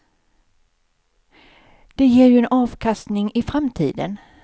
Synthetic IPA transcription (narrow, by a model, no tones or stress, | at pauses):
d̪̥ɛjeːɾjɵɛnɑːvkʰast̪nɪŋɪfɾamt̪ʰḭːd̪ə̰n